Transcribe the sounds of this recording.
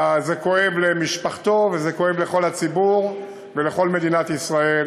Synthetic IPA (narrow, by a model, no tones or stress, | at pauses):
zeko̞e̞vlemiʃpaχt̪o̞vezeko̞evle̞χo̞lhat͡sibuʁ | veleχo̞lme̞d̪inat̪isʁae̞l